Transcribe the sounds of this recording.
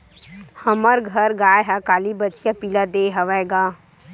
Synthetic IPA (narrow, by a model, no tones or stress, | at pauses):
hɐməɾɡʱɐɾɡaːjɦakaːlibət͡ʃijapiːlad̪eːɦɐʋaɡaː